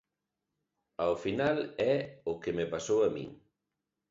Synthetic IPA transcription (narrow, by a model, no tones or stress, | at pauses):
aofinalɛʊkemepasowɐmḭ̃ŋ